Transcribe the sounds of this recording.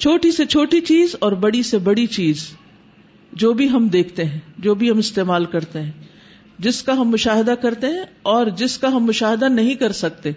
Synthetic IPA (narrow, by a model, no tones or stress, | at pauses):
t͡ʃʰoːʈiset͡ʃʰoːʈit͡ʃiːzɔːɾbɐɽisebɐɽit͡ʃiːz | d͡ʒoːbʱiɦɐmd̪eːkʰt̪eɦɛ̃ːd͡ʒoːbʱiɦɐmɪst̪eːmaːlkɐɾt̪eɦɛ̃ː | d͡ʒɪskaɦɐmːʊʃaːɦɪd̪akɐɾt̪eɦɛ̃ɔːɾd͡ʒɪskaɦɐmːʊʃaːɦɪd̪anɐɦĩkɐɾsɐk̚t̪e